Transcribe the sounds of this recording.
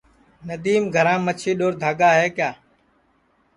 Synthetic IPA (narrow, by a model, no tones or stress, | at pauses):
nəd̪iːmɡʱəɾãːmət͡ʃʰiːɗoːɾd̪ʱaːɡaːɦeːkjaː